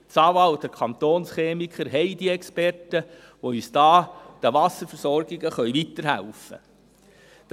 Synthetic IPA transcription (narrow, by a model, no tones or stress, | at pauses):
t͡sɑːwɑld̥̪əkʰɑnt̪oːnsχeːmikχəɾɦɛɪd̥̪iɛkspɛrtə | ʋoysd̪̥ɑːd̥əʋɑsəɾfəɾsɔɾɡiɡəχœʏʋit̪əɾɦæ̰lfə̰ | d̥̪